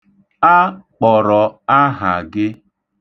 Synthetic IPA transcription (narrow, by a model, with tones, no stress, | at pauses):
a˦k͡pɔ˨ɾɔ˨a˦ɦa̰˨ɡɪ˦